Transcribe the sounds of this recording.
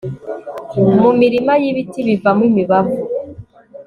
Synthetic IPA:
mumiɾimajiβitiβivamwimiβavu

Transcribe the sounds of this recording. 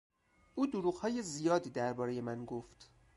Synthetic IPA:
ʔuːd̪oɾuːɣhɒːje̞zijɒːd̪iːd̪æɾbɒːɾe̞je̞mænɡoft̪

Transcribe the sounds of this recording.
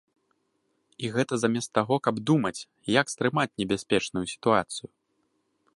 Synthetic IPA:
iɣɛt̪ɐzamʲɛst̪ːaɣɔkɐbd̪umɐt͡sʲ | jɐkst̪ɾɨmat͡sʲnʲɛbʲasʲpʲɛt͡ʂnujusʲi̥t̪uat̪sɨju

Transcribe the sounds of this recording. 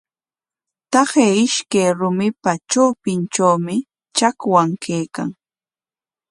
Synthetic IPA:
t̪ɑχejɪʃkajɾʊmɪpat͡ʃowpɪnt͡ʃawmɪ | t͡ʃakwaŋkʰejka̰ŋ

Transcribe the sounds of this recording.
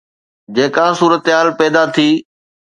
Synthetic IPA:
d͡ʑeːkãːsuːɾət̪ɦaːlpɛːd̪at̪ʰiː

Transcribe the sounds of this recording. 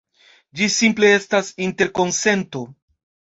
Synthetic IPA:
d͡ʒisimple̞e̞stasinte̞ɾko̞nse̞nto̞

